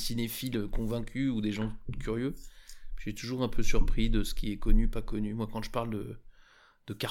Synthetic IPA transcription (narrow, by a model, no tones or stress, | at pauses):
sinefiløkɔ̃vɛ̃kʲyud̪eʒɑ̃kʲyʁjøpʒɛt̪uʒuʁɛ̃pʰøsyʁpχid̪əsə̥kʲʰiɛkɔnypakɔnymwakɑ̃ʒəpaʁld̪ə̰ | d̪̥əka